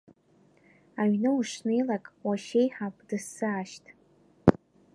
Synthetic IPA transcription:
aɥnɨuʂnejlakʼwaʃejħapʷʼdɨsɨaʃtʼ

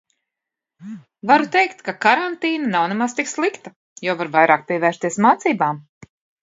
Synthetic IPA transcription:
vaɾut̪ejkt̪kakaɾant̪iːnanawnemast̪ikslˠikt̪a | jɔvaɾvajɾaːk̚pʲiɛvɛːɾʃst̪iɛsmaːt̪siːbaːm

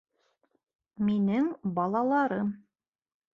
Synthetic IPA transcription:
minɘŋbɑlˠɑlˠɑɾɤm

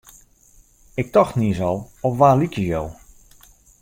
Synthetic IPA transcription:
ɪk̚tɔxtniəsɔlˠɔfʋaːlikjəjow

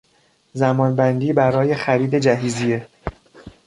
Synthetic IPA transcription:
zæmɒːnbænd̪iːbæɾɒːje̞xæɾiːd̪e̞d͡ʒæɦiːzije

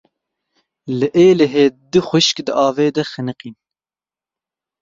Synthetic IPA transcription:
lɨʔeːleɦeːd̪ɨxʷɨʃkd̪ɨʔɑːveːd̪ɛxɨnɨqiːn

